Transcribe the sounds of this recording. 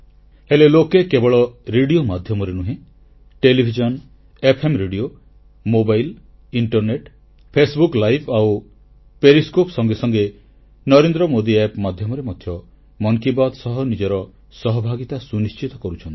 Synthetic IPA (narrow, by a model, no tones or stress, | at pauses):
helelokekebɔɭɔɾeɽiomad̪ʱjɔmɔɾenuɦẽ | ʈelibʱid͡ʒɔn | epʰemɾeɖio | mobajl | iɳʈɔɾneʈ | pʰesbuklajbʰaw | peɾiskopsɔŋɡesɔŋɡe | nɔɾend̪ɾɔmod̪iepmad̪ʱjɔmɔɾemɔd̪ʱjɔ | mɔŋkibad̪sɔɦɔnid͡ʒɔɾɔ | sɔɦɔbʱaɡit̪asunist͡ʃit̪ɔkɔɾut͡ʃʰɔnt̪i̥